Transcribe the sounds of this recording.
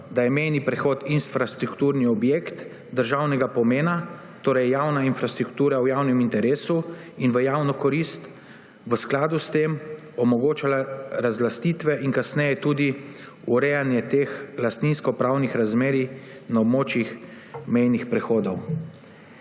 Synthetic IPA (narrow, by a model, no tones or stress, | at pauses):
d̪ajɛmɛjnipɾɛxoːt̪insfɾast̪ɾukt̪uːɾniɔbjekt̪ | d̪əɾʒawnɛɡapɔmeːna | t̪oːɾɛjjawnainfɾast̪ɾukt̪uːɾawjaːwnɛmint̪ɛɾeːsu | inʋəjaːwnɔkɔɾist̪ | ʋəsklaːd̪ust̪em | ɔmɔɡoːt͡ʃalaɾazlast̪iːt̪ʋɛʔinkasnɛjɛt̪uːd̪i | uɾɛjanjɛt̪exlast̪ninskɔpɾawnixɾazmeːɾi | naɔbmoːt͡ʃjix | mɛjnixpɾɛxoːd̪ɔw